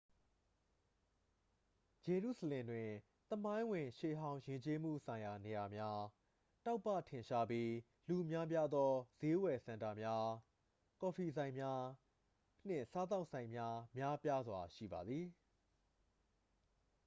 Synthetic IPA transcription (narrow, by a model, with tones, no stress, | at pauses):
d͡ʑe˨ɹṵ˦˨zə˨lɪ̃˨ndwɪ̃˨ | t̪əmã˦ɪ̃wɪ̃˨ʃe˨ɦã˦ʊ̃jɪ̃˨ɲt͡ɕe˦mṵ˦˨sʰã˨ɪ̃ja˨ne˨ja˨mja˦ | ta˦ʊpːä̰˦˨tʰɪ̃˨ɲʃa˦pji˦ | lu˨mja˦p̬ja˦d̪ɔ˦z̥e˦wɛ˨sã˨nta˨mja˦ | kɔ˨fʰi˨zã˨ɪ̃mja˦ | n̥ɪ̰̃˦˨sa˦t̪̬a˦ʊʔsã˨ɪ̃mja˦mja˦pja˦zwa˨ʃḭ˦˨ba˨d̪ði˨